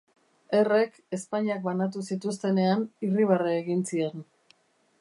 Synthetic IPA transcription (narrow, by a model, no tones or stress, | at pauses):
e̞re̞k | e̞spaɲiak̚banat̪̬usit̪ust̪e̞ne̞aniriβ̞areːɣinsie̞n